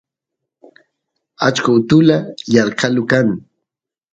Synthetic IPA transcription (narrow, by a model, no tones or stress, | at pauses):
at͡ʃkaʊt̪ʊlajɑɾqɑlʊkaŋ